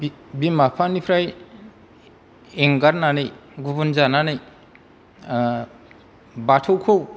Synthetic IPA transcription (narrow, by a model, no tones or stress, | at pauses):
bimapʰanipʰɾaj | eŋɡaɾnanɯjɡubunzananɯj | batʰowkʰow